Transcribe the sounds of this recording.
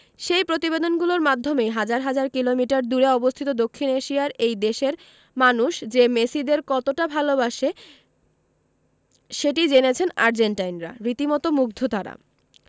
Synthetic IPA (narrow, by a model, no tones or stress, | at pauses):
ʃejpɾot̪ibed̪onɡuloɾmad̪ʱːomejɦad͡ʑaɾɦad͡ʑaɾkilomiʈaɾd̪uɾeɔbost̪ʰit̪od̪okʰːineʃiaɾejd̪eʃeɾ | manuʃd͡ʑemesid̪eɾkɔt̪oʈabʱalobaʃe | ʃeʈid͡ʑenet͡ɕʰenaɾd͡ʑeɳʈajnɾa̰ɾit̪imɔt̪omuɡ̚d̪ʱot̪aɾa̰